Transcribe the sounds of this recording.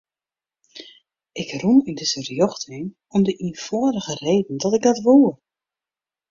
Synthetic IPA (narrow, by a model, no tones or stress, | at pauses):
ʔɪkrunyndəsərjɔxtʰɪn | ɔmdəʔinfɔəɾəɣəreːdən̩dɔtɪɡ̚dɔtʋuːə